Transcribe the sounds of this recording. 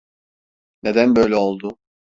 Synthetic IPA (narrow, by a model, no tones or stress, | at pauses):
ne̞d̪ænbø̞jlʲɛo̞lˠd̪ʊ